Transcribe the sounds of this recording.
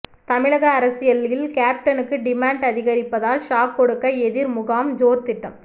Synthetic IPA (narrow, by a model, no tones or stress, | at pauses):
t̪ɐmɪɻɐɣɐːɾɐsɪjɐlɪlkaːp̚ʈɐnɯkːɯɖɪmaːɳɖɐðɪɣɐɾɪpːɐðaːlʃaːkːɔɽɯkːɐɛðɪɾmʊɣaːmd͡ʒoːɾt̪ɪʈːɐm